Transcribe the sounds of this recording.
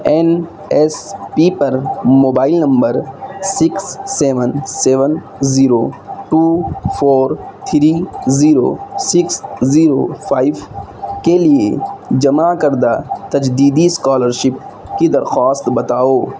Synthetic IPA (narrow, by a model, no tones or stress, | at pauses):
en | espiːpɐɾmoːbaːɪlnɐ̃mbəɾsɪksːeːʋənseːʋən | ziːɾoʈuːpʰoːɾt̪ʰɾiːziːɾo̰sɪksziːɾopʰaːiʋ | kelied͡ʒɐmakɐɾd̪at̪ɐd͡ʒd̪iːd̪iskaːləɾʃɪp̚ | kid̪ɐɾxaːst̪bɐt̪aːoː